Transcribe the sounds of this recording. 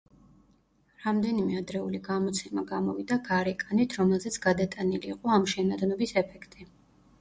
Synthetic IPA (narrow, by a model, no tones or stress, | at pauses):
ɾamd̪ɛnimɛad̪ɾɛuliɡamɔt̪sʰɛmaɡamɔvid̪aɡaɾɛkʼanit̪ʰɾɔmɛlˠzɛt̪sʰɡad̪at̪ʼaniliːqʼɔamʃɛnad̪nɔbisɛpʰɛkʰt̪ʼi